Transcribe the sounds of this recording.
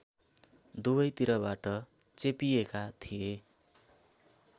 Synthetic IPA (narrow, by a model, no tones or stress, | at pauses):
d̪ubʌjt̪iɾʌbaʈʌ | t͡sepijekat̪ʰije